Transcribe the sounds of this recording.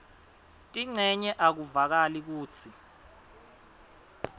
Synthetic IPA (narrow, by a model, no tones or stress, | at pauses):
tʼiŋ͡ǀʱɛɲɛʔak̬uvak̬alik̬uːt͡sʰi